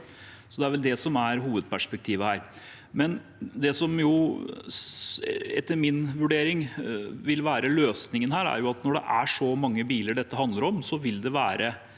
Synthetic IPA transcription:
sɔd̪ɛæɾʋɛld̪ɛsɔmæɾɦuːʋəd̪̚pʰæʂpɛk̚t̪ʰiːʋəhæːɾ | mɛn | d̪ɛsɔmjʊ | ɛ̰t̪ːəɾmɪnʋʉɖeːɾɪŋʋɪlʋæːɾəløːsnɪŋənhæːɾæ̰ɾjʊɑt̪nɔɖɛ̰ʔæʂɔmɑŋːəbiːləɖɛt̪ːəhɑnd̪əɾɔmsɔʋɪld̪ɛʋæːɾʔə

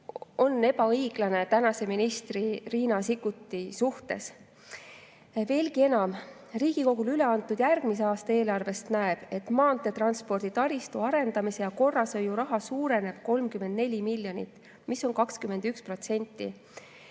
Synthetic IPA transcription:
o̞nːe̞bɑɤjɡ̥lɑne̞t̪ænɑse̞minist̪ririːnɑsikːut̪ːisuht̪e̞̰s | ve̞ːlɡ̥ie̞nɑm | riːɡ̥iko̞ɡ̥ulyle̞ɑnt̪ːˑud̪̥jærɡ̥miseɑːst̪ɑe̞ːlɑrve̞st̪næeb̥e̞t̪mɑːnt̪ːˑe̞t̪rɑnspo̞rd̪̥it̪ɑɾist̪uɑɾe̞nd̪̥ɑmise̞jɑko̞rːɑsɤjuɾɑɦɑsuːɾe̞ne̞b̥̚ko̞lmkymed̪̥nelʲimilʲːjo̞nḭt̪ːˑ | miso̞nkɑkskyme̞nd̪̥ykspro̞t̪se̞nʲt̪ːˑi

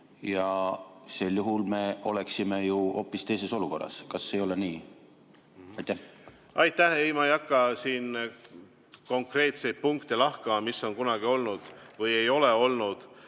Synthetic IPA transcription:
jɑselːjuɦulme̞o̞̰le̞ksime̞juʔo̞pːˑist̪e̞js̬e̞so̞luko̞rːɑ̰skɑsːeːjo̞le̞niː | ɑjt̪ːˑæh | ɑjt̪ːæhejmɑjɑkˑːɑsiːn | ko̞ŋkre̞ːt̪se̞jd̪̚puŋkt̪elɑhkɑmɑmisːo̞ŋkunɑɡ̥io̞lnud̪̥vɯje̞jo̞leo̞lnud̪̥

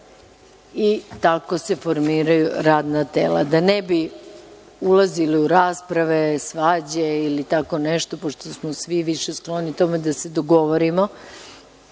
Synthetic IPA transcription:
it̪ako̞se̞fo̞ɾmiːɾajuɾaːd̪nat̪ḛːla̰d̪anebi | ulˠaziliuɾaːspɾaʋe̞sʋaːd͡ʑeilit̪ako̞neʃt̪opoʂt̪osmosʋiʋiʃe̞sklˠo̞nit̪o̞med̪ased̪oɡo̞ʋoɾimo

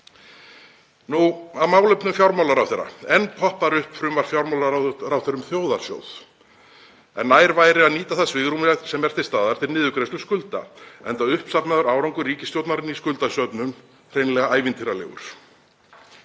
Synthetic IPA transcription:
nuaðmaːwlœɥpnʏmfjawɾmawlaɾawθejɾːa̰ɛnːpʰɔhpaɾʏhpfɾʏmvaɾ̥fjawɾmawlaɾawθejɾʏmθjoːwðaɾ̥sjo̰ːwð̥ | ɛ̰nːaːjɾvaːjɾɪaðniːt̪aθasvɪɣɾumɛsɛmɛɾ̥θɪ̥st̪aːðaɾ̥t̪ʰɪlnɪːðʏkɾejslʏskʏlt̪a̰ɛnt̪aðʏhpsapnaðʏɾaːwɾawŋkʏriːcɪst̪jowt̪naɾɪniskʏlt̪asœpnʏm | r̥ejnlɛɣaaːjvɪnt̪ʰiɾalɛ̰ɣʏ̰ɾ̥

